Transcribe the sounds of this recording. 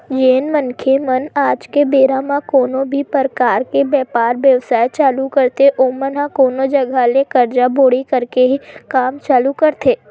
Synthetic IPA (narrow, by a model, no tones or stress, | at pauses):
d͡ʒenmənkʰemənad͡ʒkebeɾamãkonobʱipəɾkaɾkebɛpaɾʋjəʋsajt͡ʃalukəɾt̪eʔomənãkonod͡ʒəɡʱalekəɾd͡ʒaboɽikəɾkeɦikamt͡ʃaːlukəɾt̪ʰe